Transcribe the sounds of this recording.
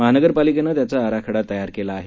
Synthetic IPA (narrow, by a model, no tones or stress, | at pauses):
məɦanəɡəɾpalikenət̪jatt͡saːɾakʰəɽat̪ːəjaɾkelaːɦe